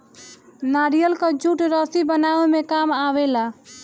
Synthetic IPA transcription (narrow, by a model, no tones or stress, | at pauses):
naɾijəlkəd͡ʒuʈɾɔsibənaʋemekamaʋela